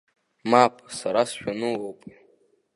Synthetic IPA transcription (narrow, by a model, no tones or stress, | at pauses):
mapʰʼsaɾasʃᶣanɨwowpʼ